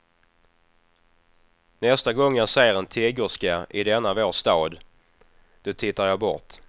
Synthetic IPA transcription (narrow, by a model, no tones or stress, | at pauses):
nɛst̪aɡɔŋːjasɛjːəɾɛnt̪ʰeːɡʊʂkaʔɪd̪ɛnːavoːʂt̪ɑːd̪ | d̪̥ɵt̪ʰɪt̪ːaɾjɑːbɔ̰ɾt̪